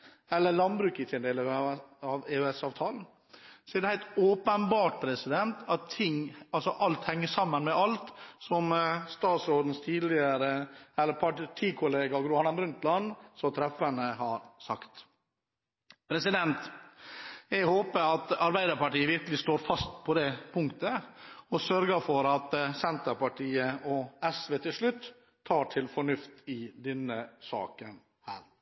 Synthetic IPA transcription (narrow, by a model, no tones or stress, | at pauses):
ɛlːəlɑnbɾʉːkət̪ʰɪnd̪eːlɑʋeʉɛsɑːʋt̪ʰɑːln̩ | sɔɛɾd̪ɛhæɪt̪oːpənbɑːʈ̚pʰɾɛsɪd̪ɛnt̪ɑt̪ʰːɪŋɑlsɔʔɑlt̪hɛŋːəʂɑmːənmɛʔɑlt̪sɔmst̪ɑːt̪sɾoːd̪n̩st̪ʰiːd̪lɪəɾəɛlːəɾpʰɑʈʰiːkʰʊleːɡɑɡɾʊɑnɑmɾʉnt̪lɑnsɔt̪ʰɾɛfəɳəhɑɾsɑkt̪ | pʰɾɛsɪd̪ɛnt̪ | jæhoːpəɾɑt̪ɑɾbæɪd̪əɾpɑʈiːəʋɪɾkəlɪst̪oːɾfɑst̪pʰɔd̪ɛpʰʊŋkt̪əɔsœɾɡəfɔɾɑt̪sɛnt̪əɾpɑʈʰiːəɔɛsʋeːt̪ʰɪlʂɭʉt̪ʰː | ɑːʈʰɪlfɔɳʉft̪ɪd̪ɛnːəsɑ̰ːkən | hæːɾ